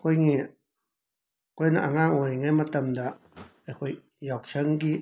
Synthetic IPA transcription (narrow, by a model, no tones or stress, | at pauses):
kʷiŋĩ | kʷenã̰ʔaŋãŋõɾiŋẽmãt̪amnd̪aʔ | ekʷi | jokʃaŋɡi